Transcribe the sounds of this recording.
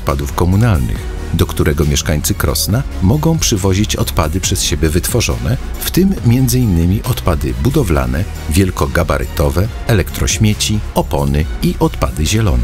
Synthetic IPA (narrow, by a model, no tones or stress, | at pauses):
t̪̚pad̪ufkɔmunalnɘ̰x | d̪ɔkt̪uɾɛɡɔmʲjɛʂkaɲʲt̪sɘkɾɔ̰sna | mɔɡɔ̃w̃pʂɘvɔʑit͡ɕɔ̰t̪pad̪ɘpʂɛsɕebʲjɛvɘt̪fɔʐɔ̰nɛ | ft̪ɘmːʲjɛnd̪zɘinːɘmʲiʔɔt̪pad̪ɘbud̪ɔvla̰nɛ | vʲjɛlkɔɡaba̰ɾʔɛ̰t̪ɔvɛ | ɛlɛkt̪ɾɔ̰ɕmʲjet͡ɕiɔpɔnɘiʔɔt̪pa̰d̪ɘʑɛlɔ̰nɛ